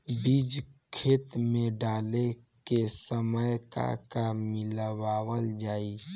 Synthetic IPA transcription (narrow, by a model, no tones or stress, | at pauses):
bid͡ʒ | kʰeːt̪mẽɖaːle | kesəməjka̰kamɪləʋaːwəld͡ʒaːi